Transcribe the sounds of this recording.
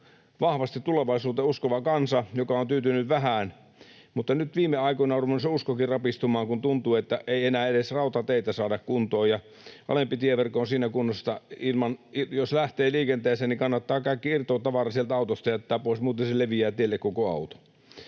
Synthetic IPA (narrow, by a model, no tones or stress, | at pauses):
ʋɑhʋɑst̪it̪t̪uleʋɑisuːt̪euskoʋɑkɑnsɑjokɑont̪yːt̪ynyʋʋæɦæːn | mut̪ːɑnyt̪ʋiːmeɑikonɑrupenseuskokirrɑpist̪umɑːŋkunt̪unt̪uːet̪ːæʔeienæːedesrɑut̪ɑt̪eit̪æsɑːdɑkkunt̪oːjɑ | ʔɑ̰lempit̪ieʋerkoonsiːnækunːost̪ɑilmɑnijoslæht̪eːliːkent̪eːseːnnikɑnːɑt̪ːɑːkɑikːiirt̪oːˑt̪ɑʋɑrɑsielt̪æɑut̪ost̪ɑjæt̪ːæːpoˑismuːt̪enseleʋiæːt̪ielːekkokoɑ̰ut̪o̥